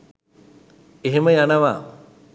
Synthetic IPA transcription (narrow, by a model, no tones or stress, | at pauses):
eɦeməjanəʋa̰ː